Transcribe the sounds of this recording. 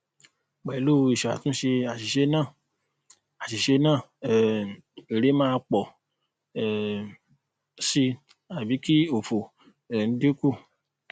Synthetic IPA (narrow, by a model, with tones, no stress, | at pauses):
k͡pɛ˨i˦lu˦˨˧i˨ʃɔ˨a̰˨tũ˦ʃe˧a˨si˨ʃe˧˦nã˦˨ | a˨ʃi˨ʃe˧nãː˦˨ | i˨ɾe˨˦mãː˦˧k͡pɔ˨ | si˧ | a˨bi˨˦ki˦o˨fo˨ | n̩˦de˦ku˦˨